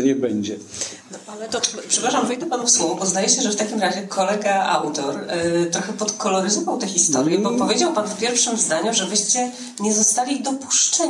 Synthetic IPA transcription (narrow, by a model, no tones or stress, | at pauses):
ɲɛbɛɲd͡ʑɛnɔʔalɛt̪ɔpʂɛpɾaʂamvɛjd̪ɛpanufswɔvɔbɔzd̪ajɛɕɛʐɛft̪akʲimɾaʑɛkʰɔlɛɡaa̰wt̪ɔɾt̪ɾɔxɛpɔt̪kɔlɔɾɘzɔvawt̪ɛxʲist̪ɔɾjɛbɔpɔvʲjed͡ʑawpanfpʲjɛɾfʂɘmzd̪aɲuʐɛbɘɕt͡ɕɛ | ɲɛzɔst̪alʲid̪ɔpu̥ʂt͡ʂɛ